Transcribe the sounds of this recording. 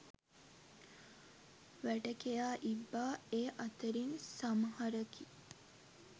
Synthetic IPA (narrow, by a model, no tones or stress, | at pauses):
ʋæʈəkejaːʔibːaːeːʔat̪əɾinsamhaɾəki